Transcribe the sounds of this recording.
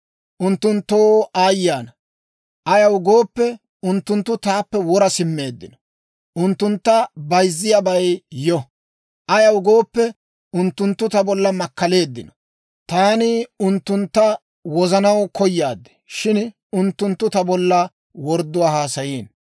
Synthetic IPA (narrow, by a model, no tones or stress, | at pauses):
ʔʊnt̪ːʊnt̪ːoːʔaːjːaːnɐ | ʔɐjɐwɡoːpːɛ | ʊnt̪ːʊnt̪ːʊt̪aːpːɛwɔɾɐsɪmːe̞ːd̪ːɪ̰nɔ̥ | ʔʊnt̪ːʊnt̪ːɐbɐjzːɪjabɐjjɔ | ʔɐjɐwɡo̞ːpːɛ | ʊnt̪ːʊnt̪ːʊt̪ɐbɔlːɐmɐkːɐle̞ːd̪ːɪnɔ̥ | t̪aːnɪʊnt̪ːʊnt̪ːɐ | wɔzɐnɐwkʰɔjːaːd̪ːɛ̥ | ʃɪn | ʊnt̪ːʊnt̪ːʊt̪ɐbɔlːɐ | wɔɾd̪ːʊwaːhaːsɐjiːn